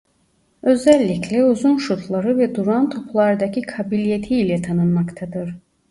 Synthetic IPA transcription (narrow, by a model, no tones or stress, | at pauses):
ø̞zɛlʲːiclʲɛuzunʃut̪ʰlˠaɾɯvɛd̪uɾant̪ʰo̞plˠaɾd̪ɑcʰikʰabilʲijet̪ʰiːlʲɛt̪ʰanɯnmakt̪ʰad̪ɯɾ